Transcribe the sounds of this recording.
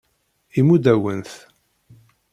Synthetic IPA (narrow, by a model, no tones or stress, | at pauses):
imud̪æwənθ